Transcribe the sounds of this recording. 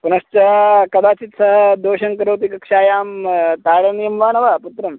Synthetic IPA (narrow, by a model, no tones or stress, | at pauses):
punɐst͡ʃɐkɐd̪aːt͡ʃit̪sɐɦɐd̪oːʃɐŋkɐɾoːt̪ikɐkʂaːjaːmt̪aːɽɐnjɐmʋaːnɐʋaːput̪ɾɐm